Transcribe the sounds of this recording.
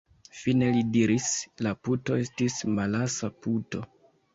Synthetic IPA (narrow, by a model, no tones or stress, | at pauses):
fine̞lidiɾislaputo̞e̞stismalasaputo̞̰